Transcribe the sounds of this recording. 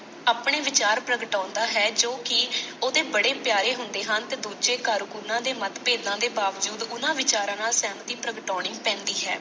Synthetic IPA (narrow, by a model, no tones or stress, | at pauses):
aːpɳ̃eːʋɪt͡ʃaːɾpɾəɡʈãːnd̪aːɦɛːd͡ʒoːkɪoːd̪eːbəɽeːpjaːɾeːɦʊnd̪eːɦənt̪eːd̪uːd͡ʒeːkaːɾukunãːd̪eːmət̪peːd̪ãːd̪eːbaːʋd͡ʒuːd̪ʊnãːʋɪt͡ʃaːɾãːnaːlsɛːmt̪iːpɾəɡʈɔːɳ̃iːpɛ̃ːnd̪iːɦɛ̰ː